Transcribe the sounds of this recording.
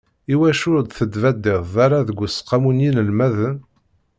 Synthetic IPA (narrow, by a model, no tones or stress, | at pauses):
iwæʃʊɾd̪θəd̪væd̪ːɪʁðaɾˤaðəɡʷːʊsqːamunjinəlmæðən